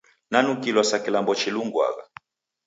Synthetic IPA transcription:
nanukilwasakilambɔt͡ʃiluŋɡwa̰ɣa̰

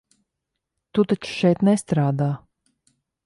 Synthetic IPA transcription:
t̪ut̪at͡ʃu̥ʃɛjt̪nɛst̪ɾaːd̪aː

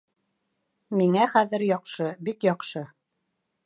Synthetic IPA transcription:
miŋæχæðɘɾjɒqʃɤbikjɒqʃɤ

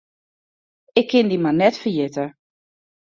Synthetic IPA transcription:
ɪkʰːɪndimanɛtfərjɪtə

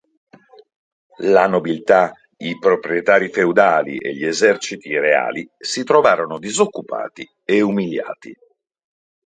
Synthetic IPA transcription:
lanobilt̪a | ipɾopɾiet̪aːɾifewd̪aːlḭʔḛʎːiezɛrt͡ʃit̪iɾea̰ːlisit̪ɾovaːɾonod̪izokːupa̰ːt̪i | eumilja̰ːt̪ḭ

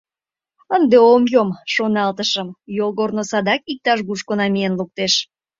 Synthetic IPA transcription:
ənd̪eomjomʃonɑlt̪əʃəmjolɣornosɑd̪ɑkik̚t̪ɑʃɣuʃkonɑmijenluk̚t̪eʃ

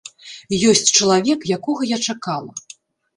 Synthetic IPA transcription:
jɔsʲt͡sʲt͡ʂɐlˠavʲɛkjakɔɣɐjat͡ʂakalˠɐ̰

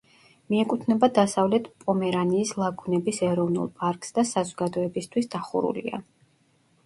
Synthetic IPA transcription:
miɛkʼut̪ʰnɛbad̪asavlɛt̪ʰpʼɔmɛɾaniːslˠaɡunɛbisɛɾɔvnṵlˠpʼaɾkʼsd̪asazɔɡad̪ɔɛbist̪ʰwisd̪aχṵɾṵlḭa̰

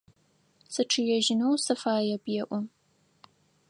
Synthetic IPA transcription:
sɨʈ͡ʂʰɨjɛʒɪnowsɨfaːjɛbjɛʔʷɔ

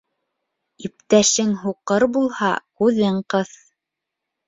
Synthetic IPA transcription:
ip̚t̪æʃɘŋɦuqɤɾbulˠhɑ̰kʉðɘɴqɤθ

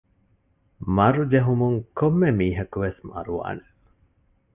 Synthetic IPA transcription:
mɐɾud͡ʒeɦumuŋkomːemiːɦɐkuʋesmɐ̰ɾuʋa̰ːne

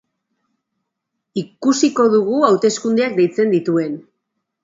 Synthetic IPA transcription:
ikusiko̞ðuɣ̞uawt̪e̞skund̪eak̚d̪ejt͡se̞nd̪it̪ue̞n

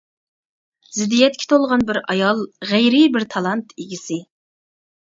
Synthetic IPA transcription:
zɪd̪ːijɛt̪̚kʲʰɛ̥t̪ʰolˠʁɑnbɪɾɑjɑlˠʁæjɾɪbɪɾt̪ʰɑlˠɑnt̪ʰeɡʲisɪ

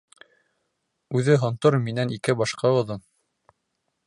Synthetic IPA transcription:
ʉðɘɦŏnt̪oɾminænikɘbɑʃqɑɤ̆ðɤn

